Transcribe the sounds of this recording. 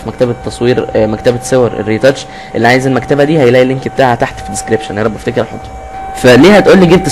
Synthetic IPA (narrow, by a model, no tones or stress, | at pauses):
fmækt̪æbt̪ːɑsˤwiːɾmækt̪æbæsowɑɾˤʔḛrːit̪æt͡ʃ | ʔelːiʕajezelmækt̪æbæd̪iːhæjlæʔilːeŋkbt̪aːʕat̪aħt̪fid̪eskɾebʃenɑɾˤɑbːæft̪ækeɾħot̪ˤːu̥ | fæliːhæt̪ʔuːlːiɡeb̚t̪